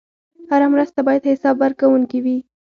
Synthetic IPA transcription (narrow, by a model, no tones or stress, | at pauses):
haɾamɾəst̪abɑjad̪hɪsɑbːaɾkawuŋkiwi